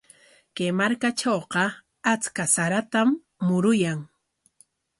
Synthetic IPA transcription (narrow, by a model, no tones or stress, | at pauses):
kemaɾkat͡ʃowqɑ | at͡skasaɾat̪amː | ʊɾʊjaŋ